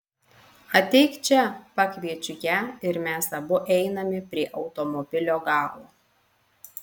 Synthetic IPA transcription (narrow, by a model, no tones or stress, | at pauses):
ɐt̪ʲɛɪkt͡ʃʲɛpɑkʲʋʲiɛt͡ʃʲʊjæːɪɾmʲæsɐbʊʔɛɪnɐmʲɪpʲɾʲiɛʔɐʊt̪ɔmɔbʲɪlʲoːɡɑːlˠoː